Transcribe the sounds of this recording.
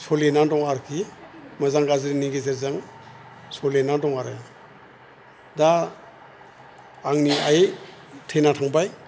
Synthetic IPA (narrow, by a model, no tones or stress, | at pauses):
sɔlenandɔŋaɾkʰimazaŋɡazɾiniɡezeɾzaŋ | sɔlenandɔŋaɾɯ | da | ŋniaj | tʰejnatʰaŋbaj